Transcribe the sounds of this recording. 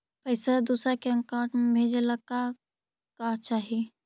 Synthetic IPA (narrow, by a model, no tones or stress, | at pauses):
pəɪsad̪usɾakeə̃kaʈmebʱed͡ʒeləkːa | kaɦt͡ʃaɦi